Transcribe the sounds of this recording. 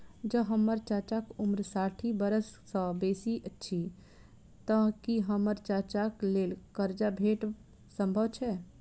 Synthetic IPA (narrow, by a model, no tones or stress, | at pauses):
d͡ʒəɦəmːəɾt͡ʃat͡ʃakumɾsaʈʰibəɾəsːə̃besiʔətːʃʰi | t̪əɦkiɦəməɾt͡ʃat͡ʃaklelkəɾd͡ʒabʱeʈ | səmbʱəbt͡ʃʰɛ